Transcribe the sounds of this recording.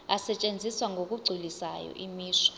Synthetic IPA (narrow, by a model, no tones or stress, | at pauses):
asɛt͡ʃʼend͡zʱiswaŋɡʱok̬ʼuɡ͡ǀʱilisajɔ̰ʔimiːʂɔ̥